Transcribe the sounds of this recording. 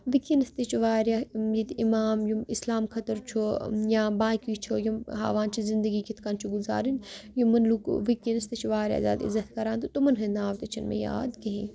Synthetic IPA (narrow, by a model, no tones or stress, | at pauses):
ʋikːinɐst̪et͡ʃʰuʋaːɾʲjajit̪imaːmjuislaːmkʰɐt̪ɐɾt͡ʃʰujãːbaːkiːt͡ʃʰojɐɦa̰ːʋaːnt͡ʃʰizɪnd̪əɡikit̪ʰkaːnt͡ʃʰuɡuza̰ːɾinjumɐnlukʋikːinɐst̪ɐt͡ʃʰʋaːɾja̰ːza̰ːd̪ḭzɐt̪ʰkɐɾãːnt̪ut̪umɐnɦɐnaːʋt̪ɐt͡ʃʰɐnmḛja̰ːd̪kɐɦĩː